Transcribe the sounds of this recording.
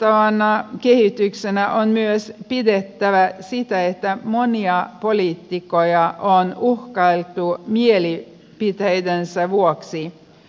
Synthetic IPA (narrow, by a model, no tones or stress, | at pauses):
t̪ɑʋɑnɑkehit̪yksenæʔonmyøspidet̪ːæʋæsit̪æet̪ːæmoniɑpoliːt̪ːikojɑʔonuhkɑilt̪ˑumieli | pit̪ejd̪ensæʋuoksi